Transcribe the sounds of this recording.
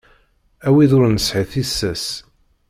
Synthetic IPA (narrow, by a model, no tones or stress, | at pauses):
æwiðʊɾnəsħiθisːæs